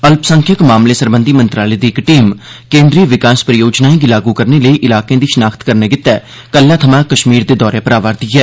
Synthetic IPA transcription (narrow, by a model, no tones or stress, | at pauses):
əlpsə̃ŋkʰjəkmaːmleːsəɾbənd̪iːmənt̪ɾaːleːd̪iːɪkʈiːmkẽːnd̪ɾiːʋɪkaːspɾəjoːd͡ʒnaːĩɡilaːɡukəɾneːləiːʔɪlaːkẽːd̪iːʃənaːkʰt̪kəɾnɛːɡɪt̪ːɛː | kəlːãːt̪ʰəmãːkəʃmiːɾd̪eːd̪ɔːɾepəɾaːʋaːɾd̪iːɦɛː